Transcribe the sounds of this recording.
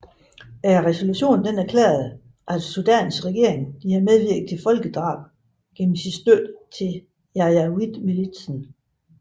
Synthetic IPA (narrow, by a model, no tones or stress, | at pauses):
æɐʁɛso̝luɕo̝̰ːn̩d̥enæɐkʰlḛːɐð̞ˠ | ʔæd̥sud̥ɛ̰nsɡ̥ʁɛɡ̥e̝̰ɐe̝ŋd̥iæɐmeð̞ˠʋiɐ̰ɡ̥ð̩̥ˠt͡sʰefɒ̽lɡ̥əd̥ʁɑ̰̈ːb̥̚ | ɡ̥enm̩sidsd̥ød̥t͡sʰe̝ | jɑjæid̥milid̥sn̩